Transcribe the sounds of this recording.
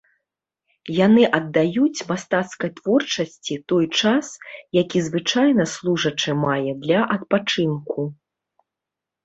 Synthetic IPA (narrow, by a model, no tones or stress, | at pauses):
janɨʔɐd̪ːajut͡sʲmast̪at̪skɐjt̪v̥ɔrt͡ʂɐsʲt͡sʲit̪ɔjt͡ʂasjakʲizvɨt͡ʂajnɐslˠuʐɐt͡ʂɨmajɛd̪lʲɐʔɐt̪̚pat͡ʂɨnku